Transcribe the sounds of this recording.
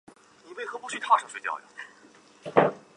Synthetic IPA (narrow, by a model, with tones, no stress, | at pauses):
ni˨˩we˥˩ɪxɤ˧˥pu˥˩ɕɥy˥˧t̪ʰa˥˧˩ʂɤ˧˥˩ŋswe˧˥t͡ɕjɑ̰˥˩ʊjɑ̰˩